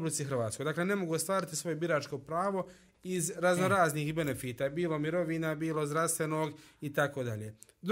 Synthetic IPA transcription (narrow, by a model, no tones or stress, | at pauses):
blit̪siɦɾʋaːt̪sko̞jd̪aːkle̞ne̞moɡuost̪ʋaːɾit̪i̥sʋo̞jebiɾaːt͡ʃko̞pɾaːʋo̞ | izɾaznoɾaːzniːxbe̞nefiːt̪aːbiːlˠo̞miɾo̞ʋiːnabiːlo̞zd̪ɾast̪ʋenoːɡit̪ako̞d̪a̰ʎeːd̪